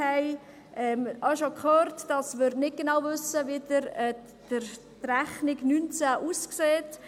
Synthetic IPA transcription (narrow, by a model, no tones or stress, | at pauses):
ɛɪ | ʔɛmɑʃokχøːɾtd̥ɑsmɪɾdnɪt̚ɡ̥enawvʏsəvidəɾɛ | d̥əɾ | træχnɪɡnynt͡sæʔuːskseːt